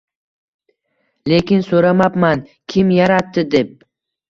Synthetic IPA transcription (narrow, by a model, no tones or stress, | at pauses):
le̞kʲɪnsoɾamapmankʲʰɪmjaɾat̪ːɪd̪e̞p̚